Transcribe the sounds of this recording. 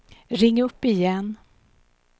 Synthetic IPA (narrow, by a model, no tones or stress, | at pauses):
ɾɪŋːɵpːɪjɛnː